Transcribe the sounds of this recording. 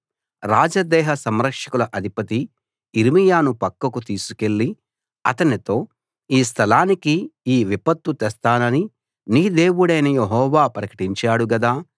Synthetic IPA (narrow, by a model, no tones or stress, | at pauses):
ɾaːd͡ʒɐd̪ɛːɦɐsɐmɾɐkʂɐkulɐʔɐd̪ʱipɐt̪i | iɾimijaːnupɐkːɐkut̪iːsuke̞ɭːi | ɐ̰t̪ɐnit̪o̞ː | iːs̬t̪ʰɐlaːnikiiːʋipɐt̪ːut̪ɛst̪aːnɐni | niːd̪e̞ːwuɽeːnɐjeɦɔːʋaːpɾɐkɐ̥ʈiɲt͡ʃaːɽuɡɐd̪aː